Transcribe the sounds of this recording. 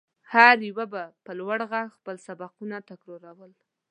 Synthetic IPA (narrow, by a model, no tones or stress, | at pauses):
haɾjiwabapəlwaɽɣaxpəlsabaqunat̪akɾoɾawəl